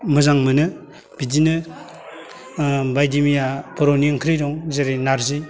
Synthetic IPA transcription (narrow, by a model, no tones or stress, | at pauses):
mɯzaŋmɯnɯ | b̥idinɯ | bajdimijapɔɾoniŋkʰɾiɾɔŋzeɾenaɾzij